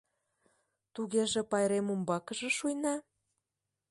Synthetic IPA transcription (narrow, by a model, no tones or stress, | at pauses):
t̪uɣeʒĕpɑjɾemumbɑkə̆ʒĕʃujnɑ